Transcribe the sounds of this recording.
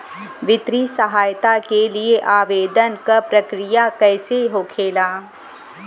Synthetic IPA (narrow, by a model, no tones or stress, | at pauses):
ʋɪt̪ɾisəɦaːjt̪akelieʔaːʋeːd̪ənkapɾɐkɾɪjakɛːseɦoːkʰeːlaː